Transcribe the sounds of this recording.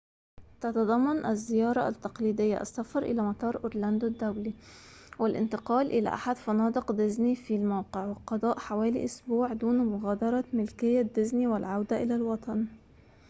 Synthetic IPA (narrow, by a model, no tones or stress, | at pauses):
t̪ɑt̪ɑd̪ˤɑmːɑnʔæzːɪjɑːɾˤɑʔt̪ːɑqliːd̪ɪjːa̰ʔa̰sːafɑɾˤʔɪ̰læmɑt̪ˤɑːɾˤʔʊɾlænd̪od̪ːæwli | wɪlʔɪ̰nt̪ɪqɑːlʔɪlæ̰ʔaħad̪fɑnɑːd̪ˤɨqd̪ɪznifilmawqeʕwɪqɑd̪ˤɑːʔħawæːlḭʔʊsbuːʕd̪uːnmʊɣæːd̪ɑɾˤɑmɪlkɪjːad̪ːɪzniwɪlʕawd̪æʔɪlælwɑt̪ˤɑn